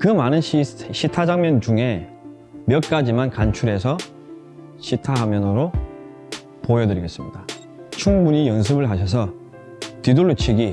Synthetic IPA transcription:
kɯmanɯnɕʰiɕʰitʰad͡ʑaŋmjʌnd͡ʑuŋe̞ | mjʌt̚k͈ad͡ʑimankant͡ɕʰuɾɦe̞sʰʌ | ɕʰitʰaɦamjʌnɯɾo | pojʌdɯɾiɡe̞s͈ɯmɲida | t͡ɕʰuŋmuɲijʌns̬ʰɯbɯɭɦaɕʰʌs̬ʰʌ | tidoɭːut͡ɕʰiɡi

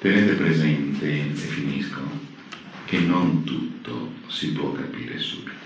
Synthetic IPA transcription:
t̪enet̪epɾezɛnt̪eefinisko | k̟enont̪ut̪ːo̰sipwɔkapiːɾḛsubit̪o

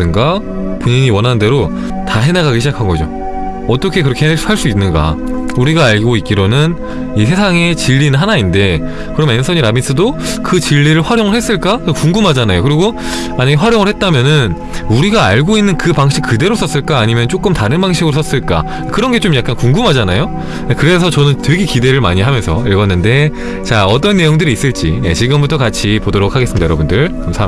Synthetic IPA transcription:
ɯnɡa | poɲiɲiwʌnɦande̞ɾo | taɦe̞naɡaɡiɕʰid͡ʑakʰanɡʌd͡ʑo̰ | ʌt͈ʌkʰe̞k̬ɯɾʌkʰehaɭs͈uinːɯnɡa̰uɾiɡaːɭɡoit̚k͈iɾonɯn | isʰe̞sʰaŋe̞t͡ɕiʎːinɯnɦanainde̞ | kɯɾʌme̞nsʰʌɲiɾamisʰɯdokɯt͡ɕiʎːiɾɯɭɸwaɾjoŋɯɭhe̞s͈ɯɭk͈akɯokuŋɡumɦad͡ʑanajokɯɾiɡo | maɲaɡe̞ɸwaɾjoŋɯɭhe̞t̚t͈amjʌnɯn | uɾiɡaːɭɡoinːɯnkɯpaŋɕʰik̚kɯde̞ɾos͈ʌs͈ɯɭk͈aːɲimjʌnt͡ɕ͈ok͈ɯmtaɾɯnbaŋɕ̬ʰiɡɯɾos͈ʰʌs͈ɯɭk͈a̰ | kɯɾʌnɡe̞t͡ɕ͈omjak̚k͈ankuŋɡumɦad͡ʑanajo | ekɯɾe̞sʰʌt͡ɕʌnɯnteɡekide̞ɾɯɭma̰ɲiɦamjʌnsʰʌiɭɡʌnːɯnde̞ | t͡ɕaʌt͈ʌnːe̞joŋdɯɾiːs͈ɯɭt͡ɕ͈ḭjḛt͡ɕiɡɯmbutʰʌkat͡ɕʰipodoɾokʰaɡesɯmidajʌɾʌbundɯɭt͡ɕomsʰa

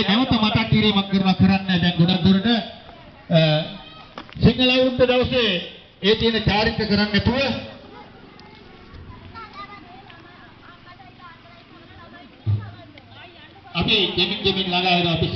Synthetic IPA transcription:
nɛʋət̪əmat̪akːiɾiːmakkəɾunakəɾanːɛːd̪ɛŋɡonad̪uɾunə | siŋɡəlaund̪əd̪aʋəseː | eːt̪iɦənəkaːɾit̪ːəkəɾanːæt̪uʋə | apid̪emiŋɡ̪emiŋlalaːɦeɾuapi

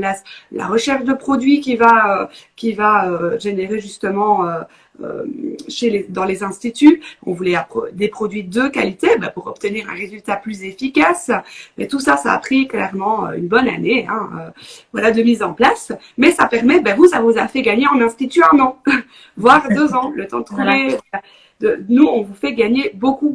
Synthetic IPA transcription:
lasla̰ʁəʃɛʁʃd̪əpχɔd̪ɥikʲivaøkʲivaøʒeneʁeʒyst̪əmɑ̃ø | ø̰ʃeled̪ɑ̃lezɛ̃st̪it̪yɔ̰̃vulɛapd̪epχɔd̪ɥid̪øka̰lit̪ebɛ̰puʁɔp̚t̪əniːʁɛ̰̃ʁezylt̪aplyzefikasmɛt̪usasaːpχiklɛ̰ʁmɑ̃ø̰y̰nbɔna̰neɛ̰̃ø̰vwalad̪əmizɑ̃plas | mɛsapɛʁmɛbɛvusavuzafɛɡaɲeɑ̃nɛ̃st̪it̪yɛ̃nɑ̃ | vwaːʁd̪øzɑ̃lət̪ɑ̃d̪ət̪χuve | d̪ənuɔ̃vufɛɡaɲeboku

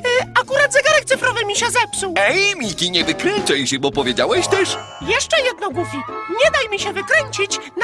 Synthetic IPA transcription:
akuɾad̪zɛɡaɾɛkt̪sɘfɾɔvɘmʲiɕɛzɛpsuwɛjmʲikʲiɲɛvɘkɾɛnt͡ʂɛjɕɛbɔpɔvʲjed͡ʑawɛɕt̪ɛʂ | jɛʂt͡ʂɛjɛd̪nɔmuvʲiɲɛd̪ajmʲiɕɛvɘkɾɛɲt͡ɕit͡ɕn

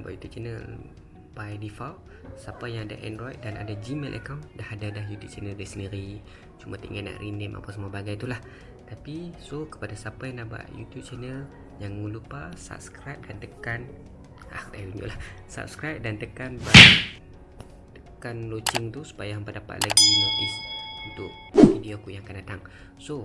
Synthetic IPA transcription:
aba̰ʔjut̪up̚t͡ʃɛnəl | bajdifawl | sapajaŋada̰ʔɛ̰ndɾoit̪̚dana̰dad͡ʒimelʔə̰kawndahadadahjut̪up̚t͡ʃɛnəldasəndiɾi | t͡ʃumat̪əiŋɡaʔna̰ʔrindɛma̰pasəmuabaɡajt̪ulah | t̪apisokə̥padasapajanaba̰ʔjṵt̪jup̚t͡ʃɛnəl | jaŋməlupasa̰p̚skɾajp̚dant̪əkan | a̰dabiɲṵʔlahsa̰p̚skɾajp̚dant̪əkanba | t̪əkanlot͡ʃɪŋt̪usu̥pajampədapa̰ʔ̪laɡinot̪isunt̪ʊʔ̚ | vidiokujãŋakandat̪aŋ | so

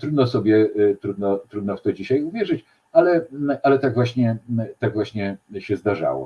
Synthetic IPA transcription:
t̪ɾud̪nɔsɔbʲjɛt̪ɾud̪nɔt̪ɾud̪nɔft̪ɔd͡ʑiɕajuvʲjɛʐɘt͡ɕ | alɛʔalɛt̪aɡvwaɕɲɛt̪aɡvwaɕɲɛɕɛzd̪aʐa̰wɔ̰

